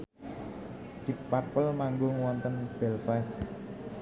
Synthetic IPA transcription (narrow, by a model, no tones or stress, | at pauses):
d̪̥ik̚par̚pəlmaŋɡoŋwɔnt̪ənb̥ɛlfɛs